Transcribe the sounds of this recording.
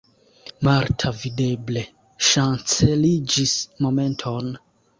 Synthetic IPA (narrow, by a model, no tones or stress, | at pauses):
maɾtʰavide̞ble̞ | ʃant͡se̞lid͡ʒismo̞me̞ntʰo̞n